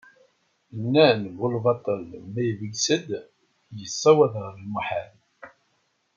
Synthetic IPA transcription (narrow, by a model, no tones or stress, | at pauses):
ənːænɡʊlvɑt̪ˤəlmæjəvəɡsəd̪ | jəsːɑwæðʁəɾəlmuħal